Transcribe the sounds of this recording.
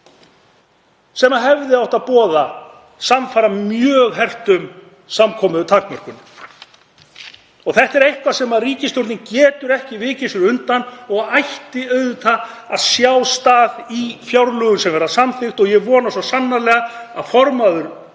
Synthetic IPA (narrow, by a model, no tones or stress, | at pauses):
sɛmaɦɛvðɪawht̪aðpɔːða | samfaːɾamjœːɣɦɛr̥t̪ʏm | samkʰɔːmʏðʏt̪ʰakmɛr̥kʏn | ɔɣθɛht̪ɛɾejhkvasɛmaðriːcɪst̪jowɾt̪nɪŋcɛːt̪ʏɾɛhcɪvɪːcɪsʏɾʏnt̪anɔɣajht̪ɪœːɥðʏt̪ʰaaðsjaːwst̪aːðifjawɾlʏɣʏnsɛmvɛːɾasamθɪxt̪ɔɣjɛɣvɔːnasɔsanːalɛːɣaaðfɔɾmaðʏɾ̥